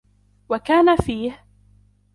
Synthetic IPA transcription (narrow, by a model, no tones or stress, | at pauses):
wakaːnafiːh